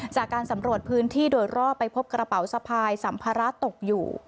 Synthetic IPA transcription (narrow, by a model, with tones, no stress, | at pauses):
t͡ɕaː˨˩kːaː˧nsa˩˦mɾu˨˩ət̪̚pʰɯː˦˥nt̪ʰiː˥˩doː˧jɾɔː˥˩ppːa˧jpʰo˦˥p̚kɾa˧pa˨˩˦wsa˧pʰaː˧jsa˩˦mpʰaː˧ɾa˦˥t̪o˨˩k̚juː˨˩